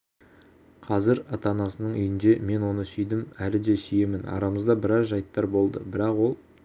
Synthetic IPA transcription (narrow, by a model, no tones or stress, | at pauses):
qʰɑzɪɾɑt̪ɑnɑsənəɴʏ̰jɪnd̪e̞me̞nwo̞nəsʏjd̪ɪmælɪd̪e̞sʏje̞mɪnɑ̰ɾɑməzd̪ɑbɪɾɑzʒɑjt̪ːɑɾbo̞lˠd̪ə̰bɪɾɑqwo̞lˠ